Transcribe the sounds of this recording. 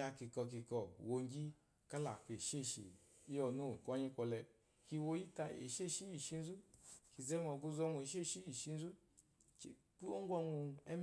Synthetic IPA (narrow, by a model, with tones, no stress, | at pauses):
a˧ki˧kɔ˧k̬i˧kɔ˧wo˧ŋ˦ɡi˦ | ka˦la˨fe˨ʃe˦˨ʃḛ˨ | i˦ɔ˨nu˦˨kɔ˦ɲi˦kʷɔ˧lɛ˧ | ki˧wo˧ji˦ta˧ḛ˨ʃe˦˨ʃi˦i˨ʃi˧n˦zu˦ki˨ze˦mɔ˨ɡu˧zɔ˧ŋʷu˨e˨ʃ̬e˦˨ʃi˦i˨ʃi˧n̩˦zu˦ | e˨ | k͡pu˦o˦ŋ˦ɡʷɔ˧ŋu˧ɛ̰˦m